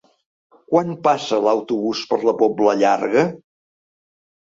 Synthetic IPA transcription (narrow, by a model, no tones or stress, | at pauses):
kwanpasələwt̪uβuspəɾləpɔbləʎa̰ɾɣə